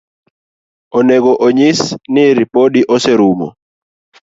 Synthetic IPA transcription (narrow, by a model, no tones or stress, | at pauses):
oneɡoʔoɲisnɪɾipodiʔoseɾumɔ̰